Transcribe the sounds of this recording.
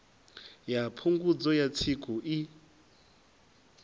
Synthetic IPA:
japʰuŋɡud͡zɔjat͡sʰikʼuʔi

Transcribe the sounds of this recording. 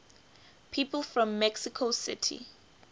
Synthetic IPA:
pʰiːpəlˠfɹɔ̃mːɛksikʰosɪ̰tʰḭ

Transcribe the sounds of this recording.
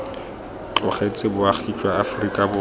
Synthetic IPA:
t͡ɬʼɔχet͡sʼɪbʊaχit͡ʃʼwaːfrikʼabʊ

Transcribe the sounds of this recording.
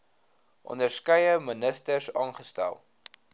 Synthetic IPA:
ʔɔ̰ndərskœjəmənəstərsɑːnχəstæ̰lˠ

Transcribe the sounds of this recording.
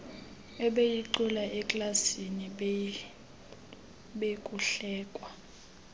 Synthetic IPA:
ɛɓejiǃulaʔɛkʼlasini | ɓekʼuɬɛːkʼwa

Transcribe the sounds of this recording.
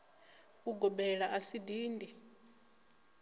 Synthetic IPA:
uɡɔbɛɺaʔasidiːndʱi

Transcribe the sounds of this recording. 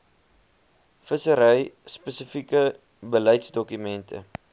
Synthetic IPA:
fəsəɾəjspəsəfikə | bəlɐjtsdɔkymɛntə̰

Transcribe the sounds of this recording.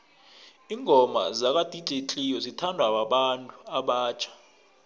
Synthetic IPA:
iŋʱɔma̰zak̬ʼad̥ʱit͡ɬʼet͡ɬʼijɔzitʰandʱwaɓaɓantʼuaɓaːt͡ʃʰʼḁ

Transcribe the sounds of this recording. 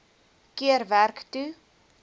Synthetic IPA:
kiəɾværktu

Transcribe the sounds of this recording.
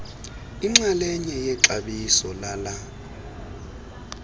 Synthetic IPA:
iŋ͡ǁalɛɲɛjɛǁaɓisɔlala

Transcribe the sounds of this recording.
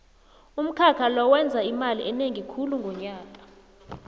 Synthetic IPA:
um̩kʰakʰalɔwɛnd͡zʱaimaliʔɛneŋikʰuluŋɡʱɔɲaːkʼa

